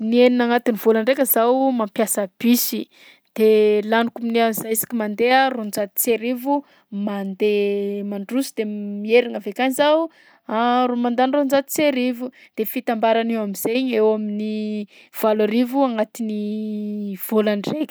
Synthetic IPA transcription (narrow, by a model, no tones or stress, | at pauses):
nieninaŋat̪iniv̥olaɳɖ͡ʐekʲəzawmampjasəb̥isi | d̪̥elanikuminiazaisi̥kʲimand̪earond͡ʒat̪̚i̥t͡seɾivu | mand̪emaɳɖ͡ʐusid̪̥emieɾiŋavekanizaw | aromand̪anrond͡ʒat̪i̥t͡seɾivud̪̥efit̪ambaɾanewamiz̥eɲewamini | v̥alaɾivuaŋat̪ini | v̥olaɳɖ͡ʐekʲə̥